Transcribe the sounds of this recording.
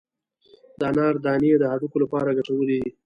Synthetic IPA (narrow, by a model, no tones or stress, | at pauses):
d̪̥ɑːnɑɾd̪ɑːnijed̪əɦaʈukolapɑɾaɡaʈawəlid̪i